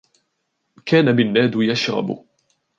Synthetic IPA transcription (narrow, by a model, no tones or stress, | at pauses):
kaːnabɪnːaːd̪jaʃɾɑ̰bʊ̰